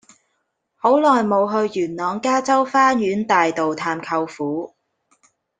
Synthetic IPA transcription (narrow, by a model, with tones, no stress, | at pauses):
ho˨˥wlɔː˨jmo˨˧wɦɵ˧ɥːyː˨˩nlɔː˨˧ŋkaː˥t͡sɐ˥wfaː˥njyː˨˥nt̪aː˨jt̪o˨wt̪ʰaː˧mkʰɐ˧wfuː˨˥